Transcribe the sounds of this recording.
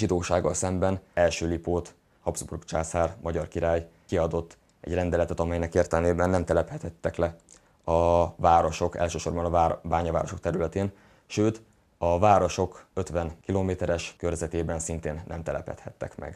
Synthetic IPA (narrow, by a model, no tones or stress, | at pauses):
ʒid̪oːʃaːɡːɒ̰lsɛmbɛnɛlʃøːlipoːt̪ | hɒbzbṵrkt͡ʃaːsaːrmɒɟɒrkiɾaːj | kiɒd̪o̞t̪ː | ɛ̰ɟrɛnd̪ɛlɛt̪ɛt̪ɒmɛjnɛkeːrt̪ɛlmeːbɛnːɛmt̪ɛlɛphɛt̪ʰɛt̪ːɛklɛ | ɒvaːɾo̞ʃo̞kɛ̰lʃøːʃo̞rbɒnɒabaːɲɒva̰ːɾo̞ʃo̞k̚t̪ɛɾylɛt̪eːn | ʃøːt̪ | ɒvaːɾo̞ʃo̞køt̪ʋɛnkiloːmeːt̪ɛɾɛʃkørzɛt̪eːbɛnsint̪eːnːɛmt̪ɛlɛ̰phɛ̰t̪hɛ̰t̪ːɛ̰kmɛ̰ɡ̥